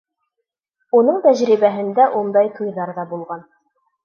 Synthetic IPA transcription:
unɤɴt̪æʑɾiβæɦɘ̆nd̪æʔund̪ɑjt̪ʰujðɑɾðɑbulˠʁɑn

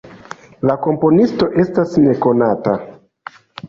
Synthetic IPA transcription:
lako̞mpo̞nisto̞ʔe̞stasne̞ko̞nata

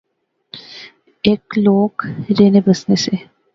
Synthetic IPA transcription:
ekloːkɾeːnebəsnese

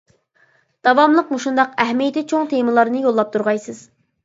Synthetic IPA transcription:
d̪̥ɑwɑmlˠəqmuʃund̪ɑqɛɦmijet̪ɪt͡ʃʰoŋt̪ʰeməlˠɑɾnɨjolˠːɑp̚t̪ʰuɾʁɑjsɨz̥

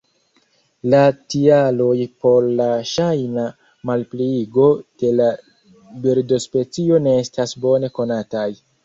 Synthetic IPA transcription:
latialo̞jpo̞ɾlaʃajna | malpliɡo̞d̥e̞la | beɾdo̞spe̞t͡sio̞ne̞estasbo̞ne̞ko̞nataj

